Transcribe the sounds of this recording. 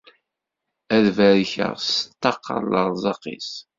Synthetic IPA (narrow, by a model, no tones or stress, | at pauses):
æðvæɾçə̰ʁst̪ːɑqːə̰ɾˤləɾˤzˤɑqḭs